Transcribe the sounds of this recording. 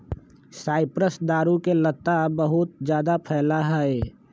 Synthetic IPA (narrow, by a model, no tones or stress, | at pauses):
saːɪpɾəsd̪aːɾukelət̪ːabəɦʊt̪̚d͡ʒjaːd̪apʰɛːlaɦɛe